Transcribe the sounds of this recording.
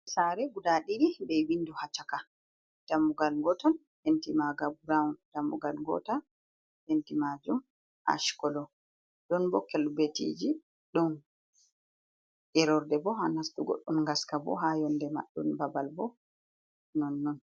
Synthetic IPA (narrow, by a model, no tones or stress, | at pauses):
saɾɛɡudaɗiɾibɛjwinːduhat͡ʃaka | d̥amːuɡalŋɡɔtan | hentimaɡabuɾaund̥amuɡalŋɡɔ̰tan | hentimad͡ʒum | ʔa̰ʃkɔlɔ | ɗɔnbɔkɛlbetḭd͡ʒi | ɗɔn | ʔɛɾɔɾdɛbɔɦanasɗuɡɔ̰ɗːumŋɡaskabɔ̰ɦajɔndɛma̰ɗːṵnbabalbɔ | nɔnːɔn